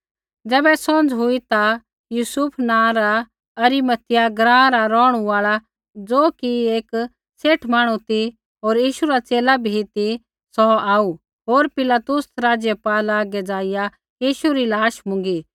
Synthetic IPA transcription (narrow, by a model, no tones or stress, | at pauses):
d͡zɛːbɛsɔ̃nd͡zɦʊit̪a | juːsʊpʰnãːɾa | ɐɾimət̪ɪjaɡɾãːɾaɾɔːɽ̃uaːɭa | d͡zoːkieːk | seːʈʰmaːɽ̃ut̪i | ɦoːɾjiːʃuɾat͡seːlabʱit̪i | sɔaːu | ɦoːɾpɪlaːt̪ʊsɾaːd͡ʒjəpaːlaːɡɛd͡zaːɪja | jiːʃuɾilaːʃmʊ̃ŋɡi